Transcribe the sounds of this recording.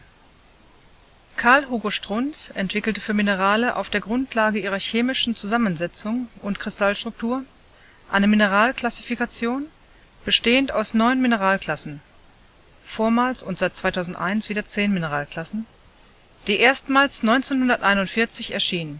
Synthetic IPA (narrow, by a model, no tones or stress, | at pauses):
kʰaɐlɦuːɡoʃtʁ̥ʊnt͡sʔɛntv̥ɪkl̩təfyːɐminəʁ̞aːləʔa̰ʊfd̥eːɐɡʁʊntʰlaːɡəʔiːʁɐçeːmɪʃn̩t͡suzamənzɛt͡sʊŋʔʊntkʁ̥ɪstalʃtʁ̥ʊk̚tʰuːɐ | ʔaɪnəminəʁaːlkl̥asi̥fikat͡sjoːn | b̥əʃteːəntaʊsnɔʏnminəʁaːlkl̥asn̩ | foːɐmaːlsʊntz̥aɪt̚t͡sv̥aɪtʰaʊzn̩tʔa̰ɪnsv̥iːdɐt͡seːnminəʁaːlkl̥asn̩ | d̥iːʔeːɐstmaːlsnɔʏnt͡seːnhʊndɐtʔaɪnʊntfɪɐt͡sɪçɛɐʃiːnən